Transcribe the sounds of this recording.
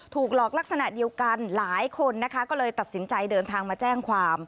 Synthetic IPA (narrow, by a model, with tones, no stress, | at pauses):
t̪ʰuː˨˩k̚lɔː˨˩k̚la˦˥k̚sa˧na˨˩di˧əwka˧nlaː˩˦jkʰo˧nːa˦˥kʰa˦˥kɔː˥˩lɤː˧jt̪a˨˩t̪̚si˩˦nt͡ɕa˧jdɤː˧nt̪ʰaː˧ŋmaː˧t͡ɕɛː˥˩ŋkʰwaː˧m